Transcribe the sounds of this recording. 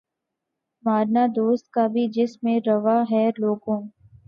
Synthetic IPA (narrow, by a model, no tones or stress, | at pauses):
maːɾnad̪oːst̪̚kabʱid͡ʒɪsmẽɾɐʋaɦɛloːɡõː